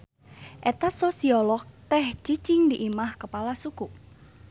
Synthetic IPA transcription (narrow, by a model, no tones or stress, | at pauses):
ʔɛt̪asosiɔlɔk̚t̪ɛht͡ʃit͡ʃɪŋd̪iʔimahkəpalasuku